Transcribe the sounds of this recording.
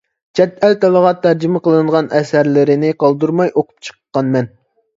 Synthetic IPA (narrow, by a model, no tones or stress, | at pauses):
t͡ʃʰɛt̪ɛlt̪ɛlˠəʁɑt̪ʰːæɾd͡ʒɪmɪqəlˠɨɴʁɑnʔɛsæɾlɪɾɪnɪqʰɑlˠd̪uɾmɑjʔoqʰʊ̥p̚t͡ʃʰə̥qʰəqːɑnmɛn